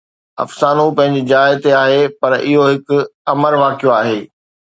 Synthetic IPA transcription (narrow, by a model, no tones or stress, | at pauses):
ɐ̰fsaːnũpɐ̃ɦɪ̃ɲ̆d͡ʑid͡ʑaːɪt̪eaːɦepɐɾɪɦoɦɪkʊɐməɾʋaːkijoaːɦeː